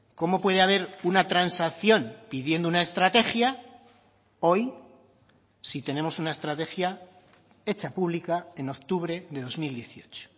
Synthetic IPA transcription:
ko̞mo̞pwe̞ð̞eaβ̞e̞ɾunat̪ɾansaθjo̞npiðje̞nd̪ounae̞st̪ɾat̪e̞xja | o̞j | sit̪e̞nẽ̞mo̞sunae̞st̪ɾat̪e̞xja | e̞t͡ʃapuβ̞likae̞no̞k̚t̪uβɾe̞ðe̞ðo̞zmild̪je̞θio̞t͡ʃo̥

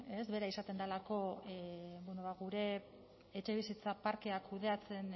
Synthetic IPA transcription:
e̞sβe̞ɾaisat̪e̞nd̪alako̞ | bwenoβaɣuɾe̞ː | t͡ʃe̞βisit͡sapaɾke̞akuð̞e̞at͡se̞n

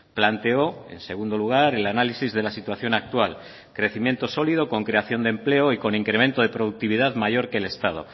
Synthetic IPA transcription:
plant̪eo̞ḛnse̞ɣ̞und̪o̞luɣ̞aɾe̞lanalisizðe̞lasit̪waθjo̞nak̚t̪wal | kɾe̞θimje̞nt̪o̞so̞liðo̞ko̞ŋkɾe̞aθjo̞nd̪emple̞oiko̞niŋkɾemẽ̞nt̪o̞ð̞e̞pɾo̞ðuk̚t̪iβ̞iðaðmaʝo̞ɾke̞le̞st̪að̞o̞̰

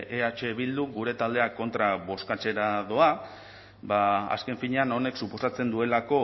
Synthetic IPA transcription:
ʔeat͡ʃe̞βild̪uɡuɾe̞t̪ald̪e̞ako̞nt̪ɾaβo̞skat͡se̞ɾaðo̞a | baa̰ske̞ɱfiɲe̞ano̞ne̞ksupo̞sat͡se̞nd̪ue̞lako̞

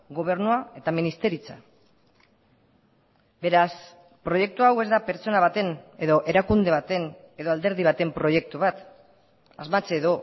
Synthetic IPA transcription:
ɣo̞β̞e̞ɾnuae̞t̪aminist̪e̞ɾit͡sa | be̞ɾas | pɾoje̞k̚t̪uawe̞zd̪apeɾt͡so̞naβ̞at̪e̞ne̞ðo̞ʔe̞ɾakund̪e̞β̞at̪e̞n | e̞ðo̞ald̪e̞ɾð̞iβ̞at̪e̞mpɾo̞je̞k̚t̪uβat̪ | azmat͡seːðo̞

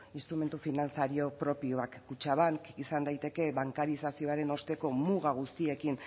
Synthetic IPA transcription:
inst̪ɾume̞nt̪ufinant͡saɾio̞pɾo̞pioakːut͡ʃaβ̞aŋkisand̪ajt̪e̞ke̞βaŋkaɾisasio̞aɾe̞no̞st̪e̞ko̞muɣ̞aɣ̞ust̪ie̞kin

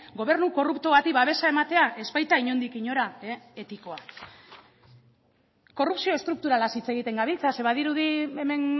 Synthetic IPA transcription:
ɡo̞βe̞ɾnuko̞rup̚t̪oβat̪iβaβ̞e̞sae̞mat̪e̞aʔe̞spajt̪aiɲo̞nd̪ikiɲo̞ɾaee̞t̪iko̞a | ko̞rupsio̞e̞st̪ɾuk̚t̪uɾalasit͡se̞ɣ̞it̪e̞ŋɡaβ̞ilt͡sase̞βaðiɾuðieme̞n

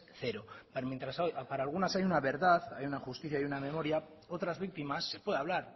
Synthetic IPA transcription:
θeɾopaɾmjent̪ɾasojpaɾaːlɣ̞unasajunaβe̞ɾðaθajunaxust̪iθjajuname̞mo̞ɾja | o̞t̪ɾazβik̚t̪imasːe̞pwe̞ðaβlaɾ

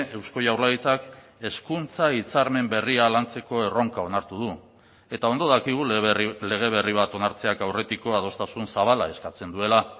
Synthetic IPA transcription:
e̞wsko̞jawɾlaɣit͡sak | e̞skunt͡sait͡saɾme̞mbe̞rialant͡se̞ko̞e̞ro̞ŋkao̞naɾt̪uð̞u | e̞t̪ao̞nd̪o̞ðakiɣ̞ule̞ɣ̞e̞β̞e̞riβ̞at̪o̞naɾt͡se̞akawre̞t̪iko̞að̞o̞st̪asunsaβ̞ala̰e̞skat͡se̞nd̪ue̞la

